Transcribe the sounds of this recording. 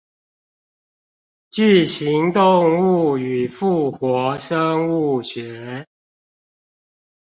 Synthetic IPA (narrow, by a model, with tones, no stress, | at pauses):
t͡ɕy˥˨˩ɕi˨˦ŋt̪ʊ˥˨˧ŋu˥˩y˨˩fu˥˩xwɔ˨˦ʂə˦ŋu˥˩ɕɥɛ˨˦